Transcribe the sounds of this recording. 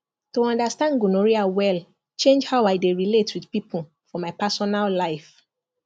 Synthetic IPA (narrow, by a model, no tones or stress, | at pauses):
toɔ̃ndastãndɡunoɹiawɛl | t͡ʃẽnd͡ʒhaʊaɪdeɹiletwidpipʰul̩ | fɔmaɪpasɔnallaɪf